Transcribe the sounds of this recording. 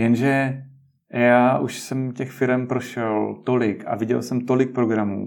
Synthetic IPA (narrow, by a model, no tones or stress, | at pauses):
jɛnʒɛ | jaːʔuʃsɛmcɛxfɪɾɛmpɾo̞ʃɛlt̪o̞lɪka̰vɪɟɛ̰lsɛmt̪o̞lɪk̚pɾo̞ɡɾamṵː